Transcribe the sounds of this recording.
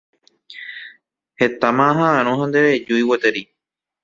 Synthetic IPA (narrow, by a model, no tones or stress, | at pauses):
he̞t̪amãɦããɾ̃õɦãnd̪eɾed͡ʒuiwot̪eɾi